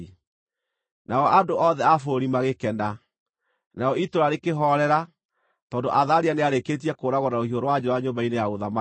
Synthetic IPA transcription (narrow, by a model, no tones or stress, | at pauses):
naɔʔandoʔɔðɛafoɾimaɣekɛnda | naɔitoɾaɾekeɦɔɾɛɾa | tɔːndoʔaðaɾianeaɾeket̬iɛkoːɾaɣɔnaohioɾowad͡ʑoaɲombainejaɣoðama